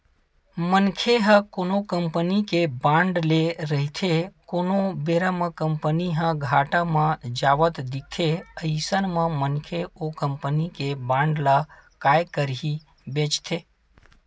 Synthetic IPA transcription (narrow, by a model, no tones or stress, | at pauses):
mənkʰeɦəkoːnokəmpənikebãɳɖleɾəɦit̪ʰekonobeɾəməkəmpəniɦə̃ɡʱaːʈãmãd͡ʒaːʋət̪d̪ik̚t̪ʰeəɪsənmə̃mənkʰeokəmpənikebãːɳɖlakaːjkəɾɦi | bẽt͡ʃt̪ʰe